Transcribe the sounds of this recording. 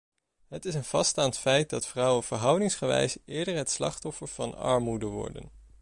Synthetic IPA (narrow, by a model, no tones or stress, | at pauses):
ɦətɪsənv̥ɑstaːntfɛjt̚dɑtfrʌwənv̥əɹɦʌwdɪŋsχəʋɛ̰jsɪːɹdəɹɦətslɑχtɔfəɹv̥ɑnɑ̰ɹmudəʋɔ̰ɹdə̰n